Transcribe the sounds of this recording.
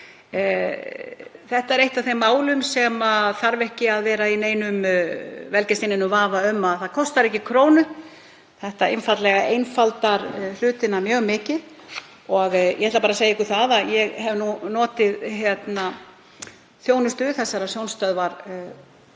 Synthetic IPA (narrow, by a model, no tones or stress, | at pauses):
θɛht̪aɛɾejht̪ḁθejmːaːwlʏmsɛmaθaɾvɛhcɪaðvɛːɾaineːjnʏmvɛlcɛst̪ɪnɪnʏvaːvaʏmːaðθaðkʰɔst̪aɾɛhcɪkʰɾoːwnʏ | θɛht̪aejnfat̪lɛɣaʔejnfalt̪aɾlʏːt̪ɪnamjœːɣmɪːcɪð | ɔɣjʔɛhɛt̪lapaːɾasejaɛhkʏθaðaðjɛɣhɛvnunɔːt̪ɪðɦjɛt̪na | θjoːwnʏst̪ʏθɛsːaɾasjownst̪œðvaɾ